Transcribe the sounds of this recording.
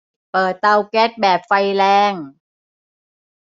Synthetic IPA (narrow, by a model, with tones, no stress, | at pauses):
pɤː˨˩t̪ːa˧wke˦˥t̪̚bɛː˨˩p̚fa˧jlɛː˧ŋ